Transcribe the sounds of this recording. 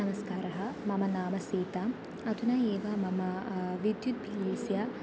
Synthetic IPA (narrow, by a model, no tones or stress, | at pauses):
ɐmɐskaːɾɐɦɐmɐmɐnaːmɐsiːt̪am | ɐt̪unɐeːʋɐmɐmɐʋid̪jut̪̚bʱiliːsjɐ